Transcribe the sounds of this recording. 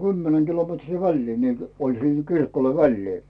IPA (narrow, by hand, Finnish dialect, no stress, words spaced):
ɡ̊ymːenæŋ ɡ̊ilometriː ʋælʲliː niːl olʲ siˑŋ kirkoĭle̥ ʋælːiː